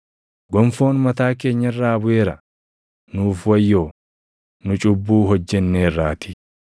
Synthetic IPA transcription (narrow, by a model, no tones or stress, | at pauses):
ɡɔmfo̞ːnmɐt̪aːke̞ːɲːɐɪrːaːbʊʔeːɾɐ | nuːfwɐjːo̞ː | nʊt͡ʃʼʊbːuːɦɔd͡ʒːɛnːeːrːaːt̪ɪ̥